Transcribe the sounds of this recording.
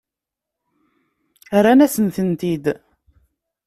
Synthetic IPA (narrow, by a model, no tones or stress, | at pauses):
ɾanæsənθənt̪id̪